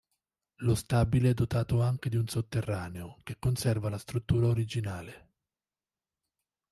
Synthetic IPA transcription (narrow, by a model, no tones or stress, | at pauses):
lost̪aːbileɛd̪ːot̪aːt̪oaŋk̟ed̪iunsot̪ːerːaːneok̟ekːonsɛrvalast̪ɾut̪ːuːɾaoɾid͡ʒinaːle